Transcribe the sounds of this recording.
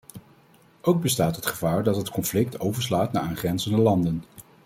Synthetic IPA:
ʔowɡ̚bəstaːtɦətχəvaːɹdɑtɦətkɔnflɪk̚tʰowvəɹslaːtnaːʔaːnχrɛnzəndəlɑndən

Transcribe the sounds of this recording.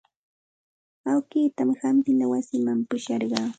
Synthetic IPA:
awkiːt̪amɪhamp̪ɪnawasɪmampʊʃɑɾɢɑː

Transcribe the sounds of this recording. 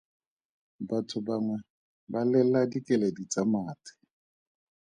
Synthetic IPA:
batʰʊbaŋwɛ | balɛladikʼɛledit͡samaːtʰʼɪ̥

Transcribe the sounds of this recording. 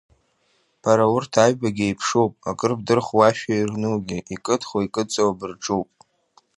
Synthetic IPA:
b̥ʰaɾaʊrtʰaɥbaɡʲejpʰʂowpʼakʼɨrb̚dɨrχwaʃᶣairnuɡʲiikʼɨtʰχwaikʼɨt͡sʼawabɨrʈ͡ʂʼuwpʼ

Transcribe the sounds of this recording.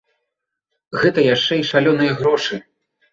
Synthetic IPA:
ɣɛt̪ɐjaʂt͡ʂɛiʂalʲɔnɨjɐɣɾɔʂɨ

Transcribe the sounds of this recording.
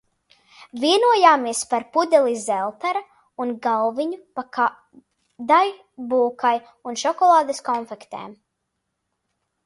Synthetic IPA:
viɛnuɔjaːmiɛspaɾpud̪ʲɛlˠizɛlˠt̪aɾa | unɡalviɲupa | d̪aj | buːkaj | unʃɔkɔlˠaːd̪eskɔnfɛkt̪ḛːm

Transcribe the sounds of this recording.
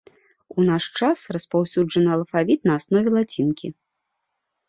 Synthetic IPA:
unaʂt͡ʂasrɐspawsʲud͡ʐɐnɨɐlˠfavʲit̪nɐasnɔvʲɛlˠat͡sʲinkʲi

